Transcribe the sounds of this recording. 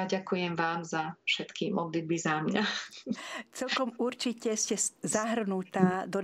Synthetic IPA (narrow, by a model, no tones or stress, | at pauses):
aɟakujɛmʋaːmzafʃɛt̪kimʔɔd̪lid̪̚bizamɲa | t͡sɛlkɔmuɾt͡ʃicɛscɛzaɦrnut̪aːd̪ɔ